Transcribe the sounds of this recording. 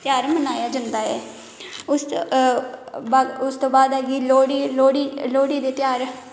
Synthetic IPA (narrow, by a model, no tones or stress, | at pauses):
t̪jaːɾmənaːjaːd͡ʒãːnd̪aːɦɛː | ʊs | baːʊst̪õːbaːd̪ɛːɡiːloːɽiːloːɽiːloːɽiːd̪eːt̪ɪjaːɾ